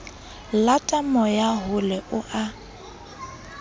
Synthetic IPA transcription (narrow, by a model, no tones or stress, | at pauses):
latʼamɔjaɦʊlɛʔʊʔa